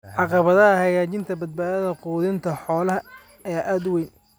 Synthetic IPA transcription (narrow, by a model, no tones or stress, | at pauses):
ʕɑqɑβɐðɐɦɐhɐɣaːt͡ʃɪnt̪ʰɐbɐd̪̚baːðɐðɐquːðɪnt̪ʰɐħɔːlɐɦɐ | ɐjaːʔaːd̪ʊwɛjn